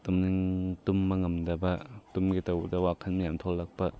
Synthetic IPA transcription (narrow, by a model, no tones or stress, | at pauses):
tumniŋtumːɐŋɐmdɐbɐtumɡitɐwdɐwakʰɐnmɐjamt̪ʰɔlːɐk̚pɐ